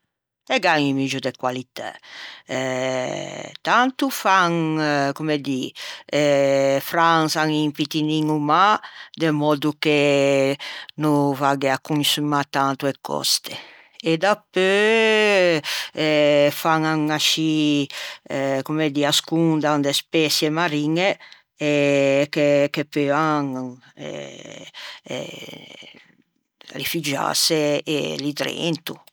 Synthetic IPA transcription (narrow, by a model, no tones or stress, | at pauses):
ɛɡaŋimid͡ʒud̪ekwalit̪ɛ̰ɛ | t̪ant̪ufaŋkumed̪i | fɾansaŋimpit̪iniŋumad̪emɔd̪uke | nufaɡeakːunsumat̪ant̪uekʰːɔ̰st̪e | ed̪apːø | ɛfaŋaŋaʃi | kumed̪iaskund̪and̪espɛsjɛmaɾiŋe | ɛkekepøaŋ | ɛ̰ | rifyd͡ʒa̰seːlit̪ɾḛnt̪u